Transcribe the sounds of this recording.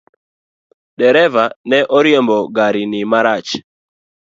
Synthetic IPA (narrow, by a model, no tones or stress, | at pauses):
dɛɾɛvanɛʔɔɾjembɔɡaɾɪnɪmaɾat͡ʃ